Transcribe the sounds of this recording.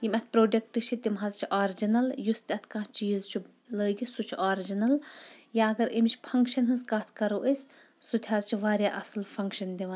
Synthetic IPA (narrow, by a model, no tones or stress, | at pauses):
jimʲɐt̪̚ʰpɾoːɖek̚ʈɨʃʰit̪imɦaːzt͡ʃʰiʔaːɾid͡ʒinɐljust̪ɐt̪ʰkãːt͡ʃiːzt͡ʃʰi | ləːɡisut͡ʃʰiaːɾid͡ʒinɐljaːɐɡɐɾimt͡ʃʰʲpʰɐŋkʃɐnɦɐzkaːt̪ʰkɐɾoːʔesʲ | sut̪ʰʲɦaːzt͡ʃʰiʋaːɾjaːʔɐslfʰɐŋkʃɐnd̪iʋan